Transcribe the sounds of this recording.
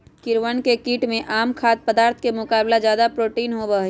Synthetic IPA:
kɪɾʋənkekiːʈmẽʔaːmkʰaːt̪̚pəd̪aːɾt̪ʰkemʊkaːblad͡ʒjaːd̪apɾoːʈiːnɦobəɦ

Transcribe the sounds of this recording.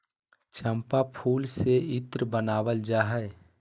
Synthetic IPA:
t͡ʃʰəmpapʰuːlseɪt̪ɾəbənaːwəld͡ʒaːɦɛe

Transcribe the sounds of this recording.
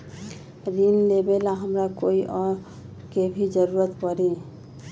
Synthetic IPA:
ɾinlebelaɦəmɾakoiʔɔ | kebʱid͡ʒəɾuɾət̪pəɾi

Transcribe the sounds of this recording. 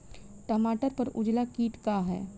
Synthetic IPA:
ʈɐmaːʈəɾpɐɾʊd͡ʒlakiːʈkaɦɛ̰ː

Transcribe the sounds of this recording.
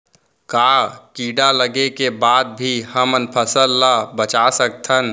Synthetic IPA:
kakiːɖaləɡekebaːd̪̚bʱihəmənpʰəsəlːabət͡ʃasək̚t̪ʰən

